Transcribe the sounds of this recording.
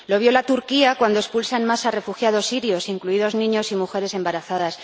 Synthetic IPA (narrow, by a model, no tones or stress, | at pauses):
lo̞β̞jo̞lat̪uɾkiakwand̪oespulsanmasare̞fuxjað̞o̞sːiɾjo̞siŋkluiðo̞znĩɲo̞simuxe̞ɾe̞se̞mbaɾaθaðas